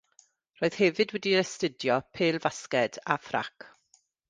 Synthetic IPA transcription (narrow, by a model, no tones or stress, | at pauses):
roːɨð̥hɛvɨdwɛdiɾɛstədjɔpʰeːlˠvaskɛdafra̰k